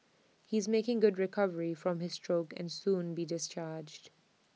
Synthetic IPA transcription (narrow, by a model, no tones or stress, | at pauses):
hiːzmeːkɪ̃ŋɡʊdɹɪkʰʌvəɹifɹɔ̃mhɪz̥stɹoʊkɛ̰̃nsũːnbiːdɪst͡ʃaːd͡ʒd̥